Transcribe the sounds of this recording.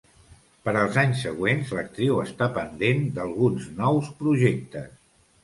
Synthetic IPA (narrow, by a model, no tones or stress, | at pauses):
pəɾəlˠzaɲsːəɣwenzlək̚t̪ɾiwəst̪apənd̪end̪əlˠɣunznɔwspɾuʒek̚t̪əs